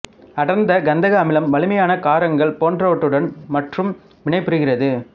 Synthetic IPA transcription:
ɐɽɐɾnd̪ɐɡɐnd̪ɐɣɐɐmɪlɐmʋɐlɯmɐjaːnɐkaːɾɐŋɡɐɭpoːndrɐʋɐʈːɯɽɐnmɐʈrɯm | ʋɪɳɐɪpːɯɾɯɣɪrɐðɯ

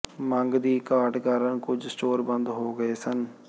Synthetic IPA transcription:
mə̃ŋɡd̪iːkaːʈkaːɾənkʊd͡ʒsʈoːɾbə̃nd̪ɦoːɡəeːsən

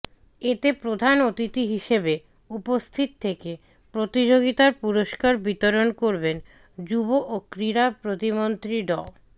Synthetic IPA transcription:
et̪epɾod̪ʱanot̪it̪iɦiʃebe | upost̪ʰit̪t̪ʰːeke | pɾot̪id͡ʑoɡit̪aɾpuɾoʃkaɾbit̪oɾonkoɾben | d͡ʑuboʔokɾiɾapɾot̪imont̪ɾiɖɔ

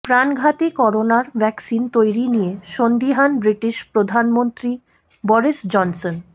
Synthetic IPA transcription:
pɾanɡʱat̪ikɔɾonaɾbʱɛksint̪ojɾinijeʃond̪iɦanbɾiʈiʃpɾod̪ʱanmont̪ɾi | bɔɾisd͡ʑɔnson

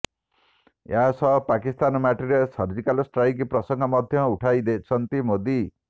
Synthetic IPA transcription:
jasʰʌpakist̪anmaʈiɾesʌɾd͡zikalosʈrajkiprʌsʌŋɡʱʌmʌd̪ʱjʌuʈʰajd̪et͡sʰʌnt̪imod̪i

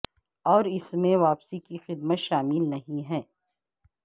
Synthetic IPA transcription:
ɔːɾɪsmẽʋaːpsikixɪd̪mət̪ʃaːmɪlnɐɦĩɦɛː

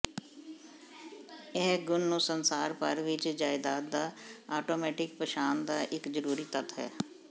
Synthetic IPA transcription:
eɦɡʊnːuːsənsaːɾpəɾʋɪt͡ʃd͡ʒaːɪd̪aːt̪̚d̪aːaːʈoːmɛːʈɪk̚pəʃaːnd̪aːʔɪkzəɾuːɾiːt̪ət̪ɦɛ̰ː

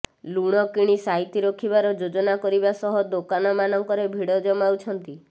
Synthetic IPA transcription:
luɽ̃ɔkiɽ̃isaɦit̪iɾɔkʰibaɾɔd͡ʒod͡ʒɔnakɔɾibasɔɦɔd̪okanɔmanɔŋkɔɾebʱiɽɔd͡ʒɔmawt͡ʃʰɔnt̪i

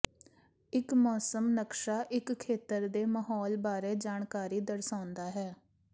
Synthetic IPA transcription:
ɪkmɔːsəmnəkʃaːʔɪkʰːeːt̪əɾd̪eːməɦɔːlbaːɾeːd͡ʒaːɳkaːɾiːd̪əɾsãːʊnd̪aːɦɛː

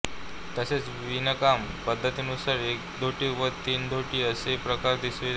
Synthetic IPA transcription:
t̪əset͡sʋinəkam | pəd̪ʱːət̪inusaɾek̚d̪ʱoʈiːʋət̪iːnd̪ʱoʈiːəsepɾəkaɾd̪isʋe

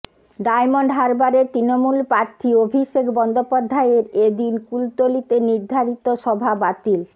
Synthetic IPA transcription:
ɖajmoɳɖɦaɾbaɾet̪ɾinomulpɾaɾt̪ʰiobʱiʃekbɔnd̪opad̪ʱːaeɾed̪inkult̪olit̪eniɾd̪ʱaɾit̪oʃɔbʱabat̪il

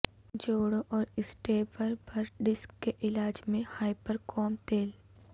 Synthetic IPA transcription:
d͡ʒoːɽoʔɔːɾɪsʈeːbəɾbəɾɖɪskːeʔɪlaːd͡ʒmẽhaːɪpəɾkʰɔːmt̪eːl

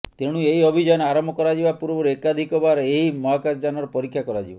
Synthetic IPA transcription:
t̪eɽ̃ũeiɔbʱid͡ʒɔjɔnaɾɔmbʱɔkɔɾad͡ʒiʋapuɾbɔɾekad̪ʱikɔbaɾeimɔɦakasd͡ʒanɔɾɔpɔɾikʰːjakɔɾad͡ʒiba

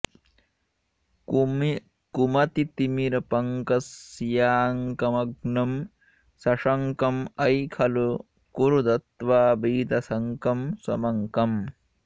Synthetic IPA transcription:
kumɐt̪it̪imiɾɐpɐŋkɐsːijaːŋkɐmɐɡnɐm | sɐʂɐŋkɐmɐjkʰɐlu | kuɾud̪ɐt̪ʋaːbiːd̪ɐsɐŋkɐmsɐmɐŋkɐm

